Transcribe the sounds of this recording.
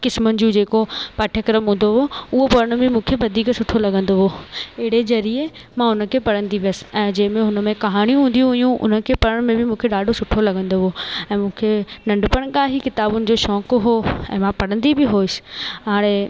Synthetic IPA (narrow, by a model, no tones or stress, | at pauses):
kɪsmʊnɪ̆d͡ʑũːd͡ʑeːkopɐʈʰjəkɾəmɦũːnd̪oɦoʊɦopɐɾəɽ̃bʱɪmũːkʰeʋɐd̪ʱiːksʊʈʰolɐɡə̃nd̪oɦoɪɦɪɽed͡ʑɐɾie | mãʊnə̆kʰepɐɽə̃nd̪iʋijəsɪ̥ɛ̃ːd͡ʑɐ̃ɦɪ̃mẽɦʊnə̆mẽkɐɦaːɽ̃ijũɦũːn̆d̪ijũɦijũʔʊ̰nəkʰepɐɾəɽ̃mẽbɪmũːkʰeɗaːɖʱosʊʈʰolɐɡə̃nd̪oɦoɛ̃ːmũːkʰenɐ̃ɳɖpəɽ̃kaːɦikɪt̪aːbʊnɪ̆d͡ʑoːʃɔːkɦoːɛ̰̃ːmãpɐɽə̃nd̪ibɪɦoːɪsɪ̥ɦaːɽ̃e